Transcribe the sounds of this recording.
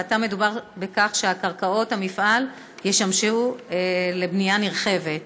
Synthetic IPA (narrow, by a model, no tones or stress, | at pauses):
atame̞dubaʁbekaχʃe̞akaʁkao̞thamifʔal | jeʃamʃu | le̞bnijaniʁχe̞ve̞t̚